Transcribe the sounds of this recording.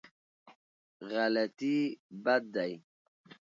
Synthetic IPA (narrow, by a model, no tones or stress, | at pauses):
ɣalɛt̪ibad̪aj